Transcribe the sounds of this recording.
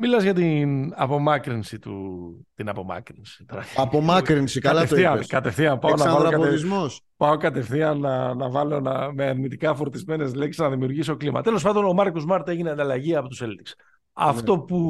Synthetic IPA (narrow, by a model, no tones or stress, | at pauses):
milɐzʝɐt̪inɐpo̞mɐkɾinsit̪ut̪inɐpo̞mɐ̰kɾinsi̥t̪oɾɐçɐpomɐkɾinsikɐlɐfoθiɐnkɐt̪efθiɐnpɐonnɐvɐloɐkɐoizmos | pɐo̞kɐt̪e̞fθiɐnːɐnɐvɐlo̞nɐ̰meɐɾnit̪ikɐfoɾt̪izme̞ne̞zleksiznɐðimiuɾʝis̬o̞klimɐ̰t̪e̞los̬pɐnd̪o̞nomɐɾkozmɐɾt̪eʝineɐnd̪ɐlɐʝiɐpo̞t̪useld̪iks | ɐ̰ft̪o̞pu